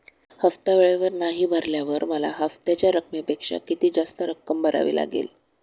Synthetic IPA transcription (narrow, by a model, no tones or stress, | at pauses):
həft̪aʋeɭeʋəɾnaɦiːbʱəɾljaʋəɾməla̰ɦəft̪at͡ɕjaɾəkmepekʂa̰kit̪iːd͡zast̪əɾəkːəmbəɾa̰ʋḭːla̰ɡḛl